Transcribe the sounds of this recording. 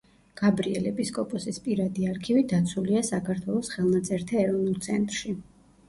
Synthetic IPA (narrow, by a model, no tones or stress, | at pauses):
ɡ̥abɾiɛlɛpiskʼɔpʼɔsispʼiɾad̪iaɾkʰivid̪at̪sʰuliasakʰaɾt̪ʰwɛlˠɔsχɛlˠnat̪sʼɛɾt̪ʰaɛɾɔvnulˠt̪sʰɛnt̪ʼɾʃi